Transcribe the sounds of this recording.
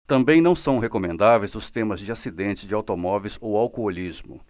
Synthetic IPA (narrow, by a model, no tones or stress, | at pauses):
t̪ɐ̃mbẽj̃nɐ̃w̃sɐ̃w̃ɦekomẽnd̪avejzʊst̪ẽmɐzd͡ʒɪasid̪ẽnt͡ʃɪzd͡ʒɪawt̪omɔvejzowawkoolizmʊ̰